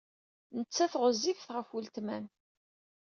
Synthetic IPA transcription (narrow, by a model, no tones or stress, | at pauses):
nət͡sːæθʁəzːifθʁəfult̪mæn